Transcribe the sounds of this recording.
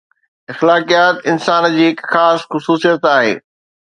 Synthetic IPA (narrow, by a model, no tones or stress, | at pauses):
ɪxlaːkijaːt̪ɪnsaːnd͡ʑiːɪkxaːsxʊsuːsijət̪aːɦḛː